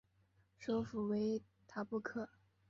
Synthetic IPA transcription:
ʂo˥ʊfu˨˩we˧˥ɪ | t̪ʰa˥pu˥kʰɤ˥˩

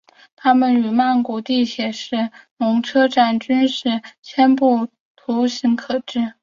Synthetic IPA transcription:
t̪ʰa˥mə˨ny˨˩ma˥˩nku˧˩t̪i˥˩ɕjɛ˨˩ʂɻ̩˥˩nʊ˧˥ŋʈ͡ʂʰɤ˥ʈ͡ʂa˥˩nt͡ɕy˥nʂɻ̩˥˩t͡ɕʰjɛ˥npu˥˩ | t̪ʰu˧˥ɕi˧˥ŋkʰɤ˨˩ʈ͡ʂɻ̩˥˩

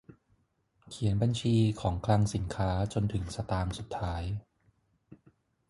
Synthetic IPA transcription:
kʰi˨˩˦ənba˧nt͡ɕʰiː˧kʰɔː˩˦ŋkʰla˧ŋsi˨˩˦nkʰaː˦˥t͡ɕo˧nt̪ʰɯ˩˦ŋsa˧t̪aː˧ŋsu˨˩t̪ʰːaː˦˥j

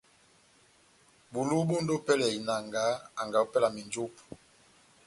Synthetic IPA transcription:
bu˨lu˦bo˦n˦do˦pɛ˦lɛ˨i˨na˨ŋɡa˨˦a˨ŋɡa˨o˦pɛ˦la˨mi˨nd͡ʒu˦p

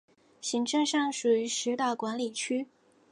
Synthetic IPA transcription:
ɕi˧˥ŋʈ͡ʂɤ˥˧ŋʂɑ˥˩ŋʂu˨˩y˧˥ʂɻ̩˧˥t̪a˥˩kwa˧˥nli˨˩t͡ɕʰy˥

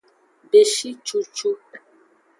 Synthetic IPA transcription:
be˨ʃi˦t͡ʃu˨t͡ʃu˦

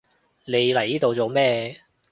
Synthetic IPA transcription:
ne˨˧jlɐ˨˩jiː˥t̪o˨wt͡so˨˧wmɛː˥˧

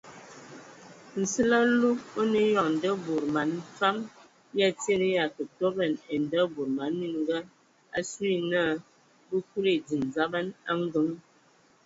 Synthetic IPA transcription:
n̩˨sɨ˦la˦lu˦o˦nə˦jɔ˨ŋn̩˨də˦bu˨ɾma˨n˦fa˦m | ja˦te˦˨nə˦ja˨kə˨tɔ˦bə˨ne˨n˨də˦bu˨ɾma˨˦nːi˦n˦ɡə˦ | a˦su˦i˦na˦˨˦ | bə˦ku˦ɾe˨d͡zi˨nza˦ba˦na̰˦ŋ˦ɡə˦ŋ

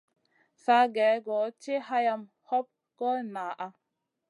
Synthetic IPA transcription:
sa˦ɡɛ˨˦ɡɔ˨t͡ʃe˦ɦa˦ja˦m | hɔ˦p̚ | kɔ˦lnaː˨ʔa˦

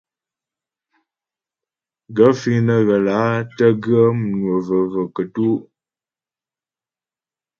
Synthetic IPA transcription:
ɡə˨˦fi˦nə˨ɣə˨la˨˦tə˦ɡɰə˦m˨nwə˨və˨və˨kə˨tu˦ʔ

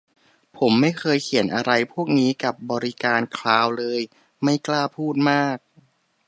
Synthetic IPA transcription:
pʰo˩˦mːa˥˩jkʰɤː˧jkʰi˨˩˦ənʔa˧ɾa˧jpʰu˥˩ək̚niː˦˥ka˨˩p̚bɔː˧ɾi˦˥kaː˧nkʰlaː˧wlɤː˧j | ma˥˩jklaː˥˩pʰuː˥˩t̪̚maː˥˩k̚

